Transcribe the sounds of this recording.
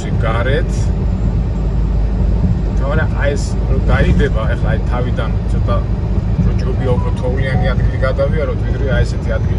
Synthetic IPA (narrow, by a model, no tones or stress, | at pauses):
siɡaɾɛt̪ʰ | t̪ʰamaɾɛʔaɛs | ɾɔd̪aibɛbaɛχlaːit̪ʰavid̪ant̪sʰɔt̪ʼa | d͡ʒɔt͡ʃʼɔbiaupʰɾɔt̪ʰɔulianiad̪ɡiliɡad̪aviaɾɔt̪ʰʼwid̪ɾiaɛsɛt̪ʰiad̪̚ɡil